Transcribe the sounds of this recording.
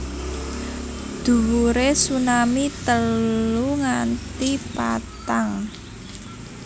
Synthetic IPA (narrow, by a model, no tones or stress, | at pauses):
d̪̥ṳwuɾesunamit̪əluŋant̪ipa̰t̪aŋ